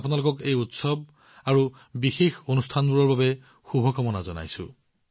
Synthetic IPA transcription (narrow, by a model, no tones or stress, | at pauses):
punalʊkɔkejutsɔb̚ | aɹu | bixexonustʰanbuɹɔɹbabɛ | xubʱɔkɔmɔnazɔna̰jsʊ̰